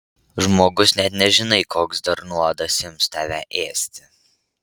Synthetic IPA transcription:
ʒmoːɡʊsnʲɛt̪nʲɛʒʲɪnɐɪkoːksd̪ɐɾnuɔd̪ɐsjɪmst̪ʲɑːʋʲæʔeːsʲt̪ʲɪ

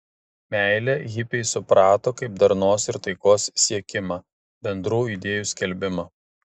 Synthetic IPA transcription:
mʲæˑɪlʲɛɣʲɪpʲɛɪsʊpɾɑːt̪oːkɐɪp̚d̪ɐɾnoːsɪɾt̪ɐɪkoːssʲiɛkʲɪmɑː | bʲɛnd̪ɾuːid̪ʲeːjuːsʲkʲɛlʲbʲɪmɑː

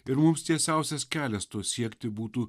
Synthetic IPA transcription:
ɪɾmʊmst̪ʲiɛsʲæˑʊsʲɛskʲæːlʲɛst̪oːsʲiɛkt̪ʲɪbuːt̪uː

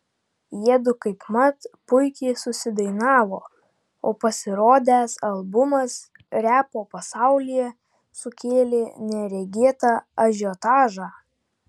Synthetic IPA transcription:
jiɛd̪ʊkɐɪpmɐt̪pʊɪkʲɛɪsʊsʲɪd̪ɐɪnɑːʋoː | oːpɐsʲɪɾoːd̪ʲæːsɐlˠbʊmɐs | ɾʲæːpoːpɐsɑˑʊlʲɪjɛ | sʊkʲeːlʲenʲɛɾʲɛɡʲeːt̪ɑɐʒʲot̪ɑːʒɑː

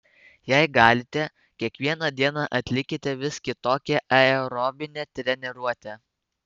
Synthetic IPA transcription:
jɛɪɡɑːlʲɪt̪ʲɛ | kʲiɛkʋʲiɛnɑd̪ʲiɛnɑʔɐt̪ʲlʲɪkʲɪt̪ʲɛʋʲɪskʲɪt̪oːkʲɛʔɐɛɾɔːbʲɪnʲɛt̪ʲɾʲɛnʲɛɾuɔt̪ʲɛ

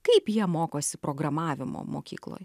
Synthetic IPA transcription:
kɐɪpjiɛmoːkoːsʲɪpɾoːɡɾɐmɑːʋʲɪmo̰ːmoːkʲḭːklˠo̰ːj

